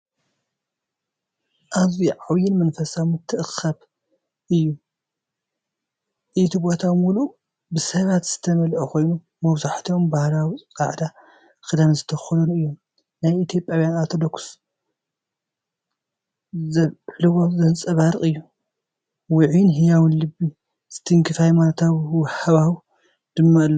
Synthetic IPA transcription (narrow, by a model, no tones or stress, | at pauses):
ʔaβziʕawjɪnmɐnfɐsawmɨt̪ʰːɨʔɨxɐβ | ʔɨjːu | ʔit̪ʰibot̪ʰawmulu | bɨsɐβat̪z̥ɨt̪ʰɐmɐlʔuxo̞jnu | mɐβzaħt̪ʰiombahlawikʼa̰ʕd̪a | kʼɨd̪amzɨt̪ʰɐxulunɨjːo̞m | najit̪ʰjo̞pʼːjawjanat̪ʰod̪okʰu̥s | zɐħlɨβozɐnt͡sʼɐβaɾɨχʼɨjːu | wʊʕinɦɨjawinlɨbːi | sɨt̪ʰiŋkʰɨfajmant̪ʰawwħaβaw | d̪̥ɨmːaʔɨlːo